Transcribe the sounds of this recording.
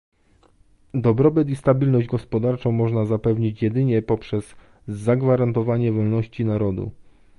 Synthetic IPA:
d̪ɔbɾɔbɘt̪ist̪abʲilnɔʑd͡ʑɡɔspɔd̪aɾt͡ʂɔ̃w̃mɔʐnazapɛvɲit͡ɕjɛd̪ɘɲɛpɔpʂɛzː | aɡvaɾant̪ɔvaɲɛvɔlnɔɕt͡ɕinaɾɔd̪ṵ

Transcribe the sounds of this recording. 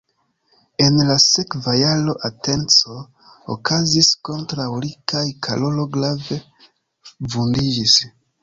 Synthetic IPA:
e̞nlase̞kvajalo̞ʔate̞nt͡so̞ | o̰kʰazisko̞ntɾawlikajkʰalo̞lo̞ɡlave̞ | vundid͡ʒis

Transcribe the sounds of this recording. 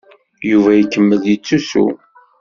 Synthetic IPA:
juvæjəkːəmːəðjət͡sːusṵ

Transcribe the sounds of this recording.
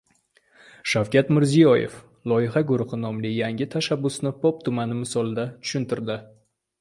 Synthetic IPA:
ʃawkʲʰat̪mɪɾzijɒjḛf | lˠɒjɪɦaɡʊɾʊχɨnɒmlɪjaŋʲɪt̪ʰaʃabːʊsnɪpʰop̚t̪ʰʊmanɪmɪsɒlˠɪd̪at̪ʰʊ̥ʃʊnt̪ɪɾd̪ɪ

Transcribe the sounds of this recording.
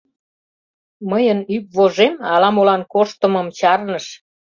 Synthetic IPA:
məjənyp̚βoʒemɑlɑmolɑnkoʃt̪əməmt͡ɕɑrnəʃ

